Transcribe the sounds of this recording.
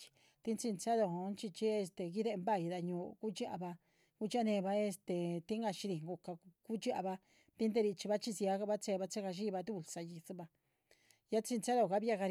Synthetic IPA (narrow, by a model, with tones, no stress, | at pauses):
i̥˧ | t̪i˦nt͡si˧nt͡sa˦ðo˧˨o˧˦nt͡ʃi˧t͡ʃi˦e˧st̪e˨ki˦ðe˦˧mba˦˨i˧ða˧ɲũː˧ku˦t͡ʃi˦ʔa̰˧βa˧ | ku˦t͡ʃi˦a˦˧nẽ˧βa˧e˧st̪e˨t̪i˦ŋɡa˧ʃi˧ɾi˧ŋɡo˧ka˧ku˦t͡ʃi˦ʔa̰˧βa˧ | t̪i˦nd̪e˦˧ɾi˧t͡ʃi˧βa˦t͡ʃi˦˧si˧a˧˦ka˧βa˦t͡se˧βa˧t͡se˦ka˧ʃ̬i˦˧βa˧t̪u˦˧˨lsa˧ji˧su˦βa˧ | ja˦t͡si˧nt͡sa˦ðo˧˨ka˧˦βi˦a˧ɣa˧ɾ